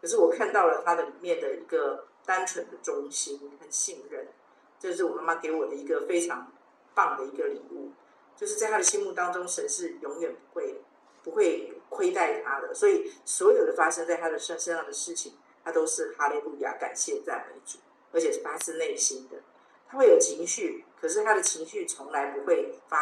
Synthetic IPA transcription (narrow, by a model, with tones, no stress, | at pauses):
kʰɤ˨˩ʂɻ̩˥˩wɔ˨˩kʰa˥˧nt̪ɑ˥˩ʊlə˩t̪ʰa˥d̪ə˨li˨˩mjɛ˥˩nd̪ə˩i˧˥ɡə˨t̪a˥nʈ͡ʂʰwə˧˥nd̪ə˨ʈ͡ʂʊ˥ŋɕi˥nkʰa˥˩nɕi˥˧ŋɻə˥˩n | t͡ɕjo˥˧ʊʂɻ̩˥˩wɔ˨˩ma˥ma˥ke˧˥ɪwɔ˨˩d̪ə˦i˧˥ɡə˧fe˥ɪʈ͡ʂʰɑ˧˥ŋ | pɑ˥˩ŋd̪ə˩i˧˥ɡə˧li˨˩˦ṵ˥˩ | t͡ɕjo˥˧ʊʂɻ̩˥˧t͡sa˥ɪt̪ʰa˥d̪ə˨ɕi˥nmu˥˩t̪ɑ˥ŋʈ͡ʂʊ˥ŋʂə˧˥nʂɻ̩˥˩jʊ˧˥ŋɥɛ˨˩npu̥˧˦˥xwe˥˩ɪ | pu˧˥xwe˥˩ɪkʰwe˥ɪt̪a˥˩ɪt̪ʰa˥d̪ə̰˨swɔ˧˥i˨˩swɔ˧˥jo˨˩d̪ə˧˦fa˥ʂə˥ŋt͡sa˥˩ɪt̪ʰa˥d̪ə˨ʂa˥nʂə˥jɑ˥˩ŋd̪ə˩ʂɻ̩˥˩t͡ɕʰi˨˩ŋ | t̪ʰa˥t̪o˥ʊʂɻ̩˥˩xa˥li˧˩lu˥˩ja̰˨˩ka̰˨˩nɕjɛ˥˩t͡sa˥˩ɪmḛ˧˥ɪt͡su˨˩˦ | ə˧˥t͡ɕʰjɛ˨˩ʂɻ̩˥˩fa˥ʂʰɻ̩˥ne˥˩ɪɕi˥nd̪ə̰˨ | t̪ʰa˥xwe˥˩ɪjo˨˩ʊt͡ɕʰi˧˥ŋɕy˥˩kʰɤ˨˩ʂɻ̩˥˩t̪ʰa˥d̪ə˨t͡ɕʰi˧˥ŋɕy˥˩t͡sʰo˧˥ŋla˧˥ɪpu˧˦xwe˥˩ɪfa˥